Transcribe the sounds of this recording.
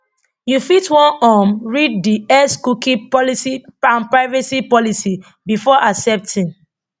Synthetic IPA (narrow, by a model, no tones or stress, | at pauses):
jufitwɔ̃nɔmɹiddiɛskukĩpɔlisiãnpɹaɪvɛsipɔlisi | bifɔʔasɛp̚tʰĩn